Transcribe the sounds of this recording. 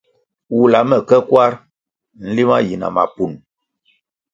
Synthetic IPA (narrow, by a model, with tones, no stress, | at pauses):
wu˨la˨mɛ˨kɛ˦kwa˦ɾ | n̩˦li˦ma˦ji˨na̰˨ma̰˨pu˨n